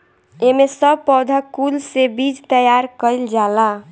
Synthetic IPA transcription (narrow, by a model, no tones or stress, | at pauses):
emesəbpɔwd̪ʱakulsebid͡ʒt̪əjaɾkəɪld͡ʒala